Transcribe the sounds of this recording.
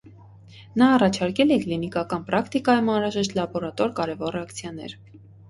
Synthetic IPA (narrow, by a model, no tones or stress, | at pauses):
nɑːrɑt͡ʃʰɑɾkɛlɛklinikɑkɑnpɾɑkt̪ikɑjumɑnɾɑʒɛʃt̪lɑbɔɾɑt̪ɔɾkɑɾɛvɔrɛɑkt͡sʰjɑnɛ̰ɾ